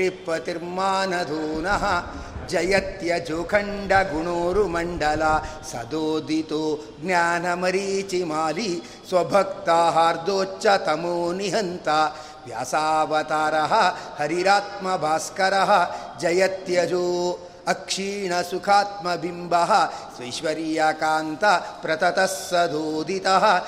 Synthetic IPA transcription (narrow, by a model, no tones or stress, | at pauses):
ipːɐt̪iɾmaːnɐd̪ʱoːnɐɦɐ | d͡ʒɐjɐt̪jɐd͡ʒoːkʰɐɳɖɐɡuɳoːɾumɐɳɖɐlasɐ̰d̪oːd̪it̪oː | ɡnjaːnɐmɐɾiːt͡ʃimaːli | swɐbʱɐkt̪aɦaːɾd̪oːt͡ʃːɐt̪ɐmoːniɦɐnt̪ɐ | ʋja̰ːsaːʋɐt̪aːɾɐɦɐhɐɾiɾaːt̪̚mɐbʱaːskɐɾɐɦɐ̆d͡ʒɐjɐt̪jɐd͡ʒoː | ɐkʂiːɳɐsukʰaːt̪̚mɐbʱimbʱɐɦɐ̆sʋɐjʃʋɐɾijakaːnt̪ɐpɾɐt̪ɐt̪ɐsɐd̪oːd̪ʱit̪ɐɦɐ̆